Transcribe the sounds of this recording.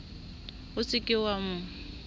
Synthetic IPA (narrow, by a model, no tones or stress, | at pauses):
ʊsɪkʼɪwamʊ